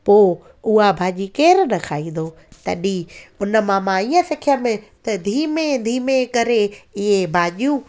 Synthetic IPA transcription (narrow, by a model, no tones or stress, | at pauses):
poː | ʊɦabʱaːʄikeːɾnɐkʰaːĩːnd̪oː | t̪ɐ̰ɗiʊnə̆mãːmãiːə̃sɪkʰijəmẽt̪ɐd̪ʱiːmẽd̪ʱiːmekɐɾeɪɦebʱaːʄjũː